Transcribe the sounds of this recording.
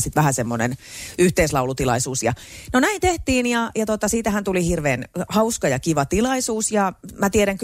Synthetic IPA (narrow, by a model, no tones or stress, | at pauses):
sit̪ʋæhæsemːonḛnyht̪eislɑulut̪ilɑ̰isuːsjɑ | nonæint̪eht̪iːnjɑjɑt̪ot̪ɑsiːt̪æhænt̪ulihirʋeːnhɑuskɑjɑkiʋɑt̪ilɑisuːsjɑmæt̪ieɾæŋk